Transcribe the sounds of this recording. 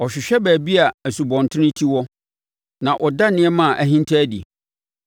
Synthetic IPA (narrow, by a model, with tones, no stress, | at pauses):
ɔ˨ɕᶣɪ˨ɕᶣɛ˦bæː˨bi˦a˨æ˨su˨bɔ̃˨n˨tʰɪ̃˦nɪ̃˦tʰi˦wɔ˦ | nã˨ʔɔ˨da˦nɪ̃˦ɛ˦mã˦˨ʔæ˨ɦĩ˦ntʰæ˦dḭ˨